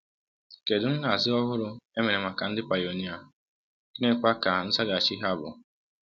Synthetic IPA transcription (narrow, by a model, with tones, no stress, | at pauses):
ke˨dʊ˨n̩˦ɦa˨zɪ˦ɔ˦ɦʊ˦ɾʊ˦e˦me˨ɾe˨ma˨ka˨n̩˦dɪ˦pa˨jo˨ɲɪ˦a˨ | i˦ne˦kʷa˦ka˨n̩˦sa˦ɡa˨t͡ʃi˦ɦa˦bʊ̰˨